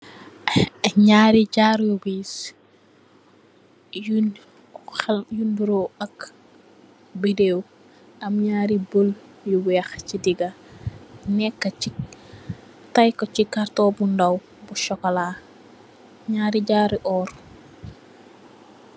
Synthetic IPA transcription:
ɲaːɾiɟaːɾjuɡiːs | j | junbuɾoɐk | bideːw | ɐmɲaːɾiboljuwɛːxcidiɡɐ | nɛkːəci | tɐjkɔcikaɾtɔːbundɐw | buʃɔkɔlaː | ɲaːɾiɟaːɾiʔɔːr

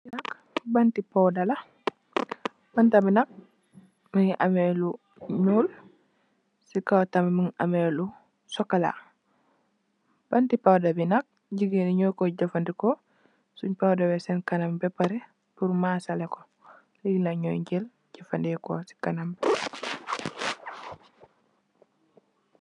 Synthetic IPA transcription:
nak | bantipawdala | b̥antabinak̚ | miŋʔa̰mɛlu | ɲul | sikawtammiŋa̰mɛlu | sɔkala̰ | b̥antipawdabinak̚ | ɟiɡeniɲoːkɔɟɔfandikɔ | suɲpawdabɛsɛnkanambɛpaɾɛ | puɾmasalɛkɔ | liɡlaɲɔjɲɟel | ɟ̥ɔfandɛkɔsi̥kanamb

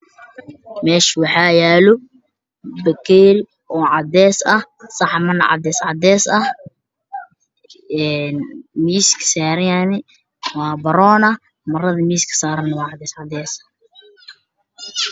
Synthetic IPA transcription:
mɛːʃwɑħɑːjaːlɔ | bɐkʰɛɾ | ʔɔːʕɑd̪ɛːsɐhsɑħmɐnɐ̰ʕɑ̰d̪ɛːsʕɑd̪ɛːsɐh | ɛːnmiːskʰɐ̥saːɾɐanɪ | wɑːbɐɾɔːnɐ | mɐrɐðɐmiːskʰɐ̥saːɾɐnɐwɑːʕɑd̪ɛːsʕɑd̪ɛːsɐ̥

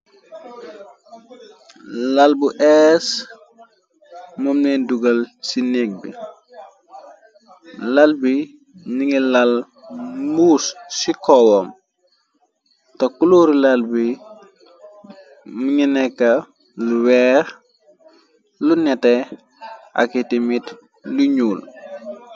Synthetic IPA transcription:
lɐlbuʔɛs | mumnɛduɡɐlsinɛk̚bḭ | lɐlbi | ɲiŋilal | muːssikɔwɔm | tɐkuluɾilɐlbi | muɲinɛkːɐ | luwɛːɾ | lunɛtɛ | ʔa̰kitimit | luɲuːl

